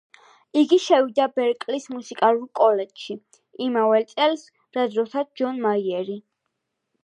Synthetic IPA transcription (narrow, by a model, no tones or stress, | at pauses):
iɡiʃɛvid̪abɛɾkʼlismusikʼalulkʼɔlɛd͡ʒʃi | imavɛlt̪sʼɛls | ɾad̪ɾɔsad̪̚d͡ʒɔnmaiɛɾi